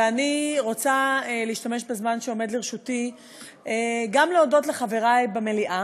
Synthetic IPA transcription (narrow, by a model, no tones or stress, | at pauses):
aniʁot͡saeleiːʃtame̞ʃbezmanʃeo̞me̞d̪leʁʃuti | eɡamleodo̞tleχave̞ʁajbeme̞liʔa